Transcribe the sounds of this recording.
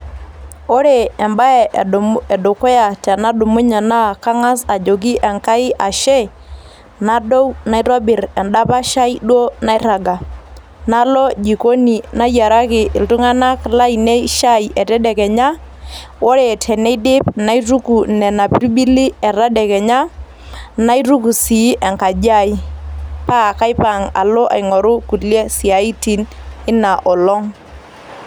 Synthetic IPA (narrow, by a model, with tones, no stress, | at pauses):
o˦ɾeː˨mba˦ɛ˨ɛ˨dʊ˨ko˦ja˨tɛ˨na˦dʊ˨mʊ˦ɲɛ˨na˦ka˦ŋa˦sa˨d͡ʒo˨k̬i˦ʔɛ˨ŋka˦ɪ˦ʔa˨ʃɛ˦ | na˦do˦wna˦jɾɔ˦bɪ˨ɾɛ˨nɗa˦pa˦ʃa˦i˦ɗwo˦na˦jɾa˨ɡa˨ | na˦lɔ˦d͡ʒi˨ko˦ni˨na˦ja˨ɾa˦kɪ˨ʔɪ˨ltʊ˦ŋa˦na˦kla˦i˨ne˦ʃa˦jʔɛ˨tɛ˦dɛ˨kɛ˨ɲa˦ | wo˦ɾe˨tʰɛ˨ne˦dɪ˦pna˦jru˦ku˨nɛ˨na˨pi˦ɾi˦ɓi˦li˦ɛ˨ɾa˦dɛ˨kɛ˨ɲa˦ | na˦i˦ɾu˦ku˨si˨˦ʔɛ˨ŋka˨d͡ʒa˦˨i˦pa˦˨ka˦jpa˨ŋa̰˨lɔ˦ʔa̰˨jŋɔ˨ɾʊ˦ku˨ljɛ˦si˨a˨i˦ti˨nɪ˦na˨ʔɔ˨lɔ˦ŋ